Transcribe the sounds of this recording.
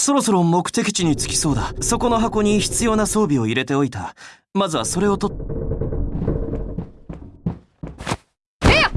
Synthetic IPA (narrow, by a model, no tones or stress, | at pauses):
so̞ɾo̞so̞ɾo̞mo̞kɯ̟̥t̪e̞kʲi̥t͡ɕiɲ̟it͡sɨ̥kʲi̥so̞ːd̪aso̞ko̞no̞ɦako̞ːɲ̟içi̥t͡sɨjo̞ːnaso̞ːbʲio̞iɾe̞t̪e̞o̞it̪a | mazɨβ̞aso̞ɾe̞o̞t̪o̞t̪ | e